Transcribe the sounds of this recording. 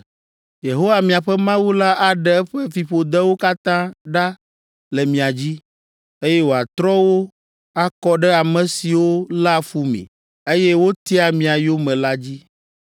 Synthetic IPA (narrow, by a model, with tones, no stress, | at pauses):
je˨ɦo˦wa˨mĩ˨a˨ɸɛ˦mã˦wu˦la˦ʔa˨ɖɛ˦ɛ˦ɸɛ˦fi˨ɸo˨d̪ɛ˦wo˦ka˦t̪ã˦ɖa˦ | lɛ˨mĩ˨a˨d͡ʑi˦ | e˦jɛ˦wo˨a˨t̪ɾɔ˦wo˦ | a˦kɔ˦ɖɛ˦a˨mɛ̃˨si˨wo˦la˦fu˦mḛ̃˨ | e˦jɛ˦wo˦t̪i˦a˨mĩ˨a˨jo˦mɛ̃˨la˦d͡ʑi˦